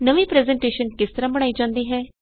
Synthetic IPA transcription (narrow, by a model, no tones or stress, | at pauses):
nəʋiːpɾɛːzɛ̃ːɳʈeːʃənkɪst̪əɾãːbəɽ̃aːiːd͡ʒãːnd̪iːɦɛː